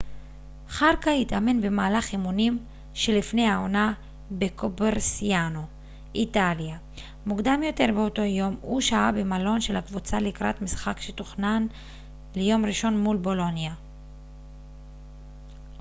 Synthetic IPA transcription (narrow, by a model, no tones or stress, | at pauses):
χaʁkaitame̞nbe̞maːlaχimunim | ʃe̞lifne̞jao̞na | be̞kʰobeʁsiano | ʔitalja | mukd̪amjo̞te̞ʁbeo̞to̞jo̞muʃaabe̞malo̞nʃe̞lhakvut͡saleikʁa̰tmisχakʃetoχnan | le̞jo̞mʁiʃo̞nmulbo̞lo̞nja